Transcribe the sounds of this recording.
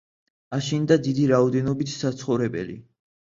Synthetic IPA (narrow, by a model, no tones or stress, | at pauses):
aʃind̪ad̪id̪iɾaɔd̪ɛnɔbit̪ʰsat̪sʰχɔvɾɛbɛ̰lḭ